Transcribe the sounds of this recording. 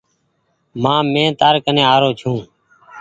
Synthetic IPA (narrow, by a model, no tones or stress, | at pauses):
mãːmẽːt̪aːɾkənẽːaːɾoːt͡ʃʰũː